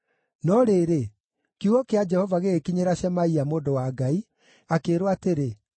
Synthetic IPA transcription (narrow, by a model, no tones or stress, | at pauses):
nɔɾeːɾe | kuɣɔkead͡ʒɛhɔvaɣekiɲeɾaɕɛmaiamoːdowaːɡai | akeːɾoateɾe